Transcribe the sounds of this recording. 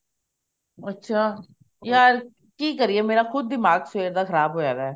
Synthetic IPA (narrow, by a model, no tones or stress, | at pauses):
ɐtːʃʰaː | jaːɾ | kiːkɐɾiɛmeːɾaxʊd̪̚ːɪmaːɡseːɾd̪axɐɾaːbɦoːd͡ʒaːd̪aɛː